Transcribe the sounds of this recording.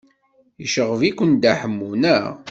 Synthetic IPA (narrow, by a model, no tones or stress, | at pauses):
iəʃəʁəvikʷənd̪aħəmːunæʁ